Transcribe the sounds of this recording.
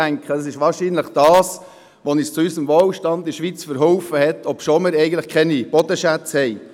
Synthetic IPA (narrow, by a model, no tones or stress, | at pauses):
æŋkχədɑsɪʃʋɑːɾʃiːnləχd̥ɑːs | ʋonɪst͡suysəmʋoːwʃtɑnd̪iʃʋiːt͡sfəɾɦɔwfəhɛt̪ʰɔpʃoːmɪɾɛɪɡəntləχkʰɛnib̥ɔd̪əʃæt͡shɛɪ